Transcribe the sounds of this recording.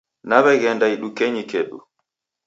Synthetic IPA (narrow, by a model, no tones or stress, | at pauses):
naβɛɡɛndaiɗukeɲikeɗṵ